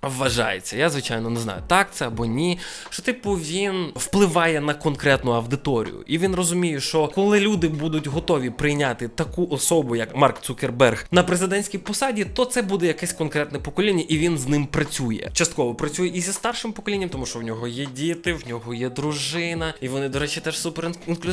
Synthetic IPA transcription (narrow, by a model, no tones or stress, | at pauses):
ʋːɐʒɑ̰jḛt͡sʲːɐjazʋɪt͡ʃajnɔneznɑ̰jʊt̪ɑk̚t̪sɛɐbɔnʲi | ʃt͡ʃɔt̪ɪpʊʋʲinwplˠɪʋɑjɛnɐkɔnkɾɛt̪nʊɐwd̪ɪt̪ɔɾʲḭjʊ̰ʔiʋʲinrɔzʊmʲijɛʃt͡ʃɔkɔlˠɪlʲud̪ɪbud̪ʊtʲɦɔt̪ɔʋʲipɾɪjnʲat̪ɪt̪ɐkuʔɔsɔbʊjɐkmɑrkt̪sukʲerbɛrxnɐpɾezɪd̪ɛnʲsʲkʲijpɔsɑdʲit̪ɔt̪sɛbud̪ɛjɐkɛsʲkɔnkɾɛt̪nɛpɔkɔlʲinʲːɐʔiʋʲinznɪmpɾɐt͡sʲujɛ̰t͡ʃɐst̪kɔʋɔpɾɐt͡sʲujɛizʲist̪ɑrʃɪmpɔkɔlʲinʲːɐmt̪ɔmuʃt͡ʃɔwnʲɔɦɔjɛdʲit̪ɪwnʲɔɦɔjɛd̪ɾʊʒɪnɐiʋɔnɪd̪ɔɾɛt͡ʃit̪ɛʃsupeɾinklʲ